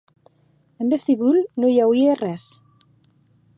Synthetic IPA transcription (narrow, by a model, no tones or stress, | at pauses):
embest̪iβulnojawieːres